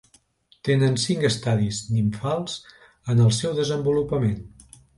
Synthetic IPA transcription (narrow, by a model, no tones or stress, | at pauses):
t̪enənsiŋkəst̪aðizniɱfalˠz | ənəlˠsɛwðəzəmbulupəmen